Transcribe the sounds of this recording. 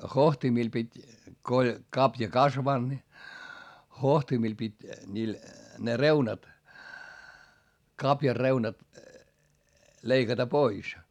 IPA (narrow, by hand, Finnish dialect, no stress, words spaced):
hohtimil pitʲ ko olʲ kɑpjɑ kɑsʋɑnd̥ ni hohtimil pitʲ nʲiːl ne reunɑt kɑpjɑr reunɑt leikɑtɑ pois